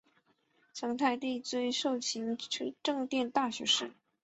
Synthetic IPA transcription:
t͡sʰɤ˧˥ŋt̪ʰa˥˧ɪt̪i˥˩t͡swe˥ɪʂo˥˩ʊt͡ɕʰi˧˥ŋʰ˥ʈ͡ʂɤ˥˧ŋt̪jɛ˥˧nt̪a˥˩ɕɥɛ̰˧˥ʂɻ̩˥˩

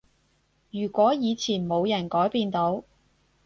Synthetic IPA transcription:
jyː˨˩kʷɔː˨˥jiː˨˧t͡sʰiː˨˩nmo˨˧wjɐ˨˩nkɔː˨˥jpiː˧nt̪o˨˥w

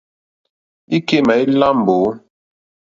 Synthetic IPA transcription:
i˦ke˦ma˨i˦la˦m˨boː˨˦

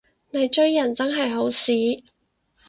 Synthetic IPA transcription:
ne˨˧jt͡ʃɵ˥˧ɥjɐ˨˩nt͡sɐ˥nɦɐ˨jɦo˨˥wsiː˨˥

